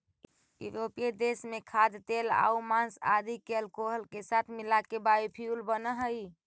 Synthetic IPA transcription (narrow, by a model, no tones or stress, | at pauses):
jṵɾoped̪esmekʰad̪t̪ela̰umansa̰d̪ikelkoɦəlkesat̪ʰmilakebajupʰiulbənəɦəj